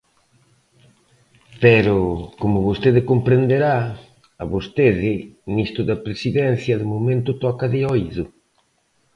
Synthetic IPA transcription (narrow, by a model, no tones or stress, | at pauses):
pɛɾʊkomʊβost̪eðɪkompɾend̪eɾa | aβost̪eðɪnist̪ɾʊðɐpɾesiðɛnθjɐðʊmomẽnt̪ʊt̪ɔkaðɪɔjðʊ